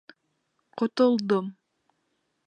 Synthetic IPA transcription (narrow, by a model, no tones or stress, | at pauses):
qʰot̪olˠd̪om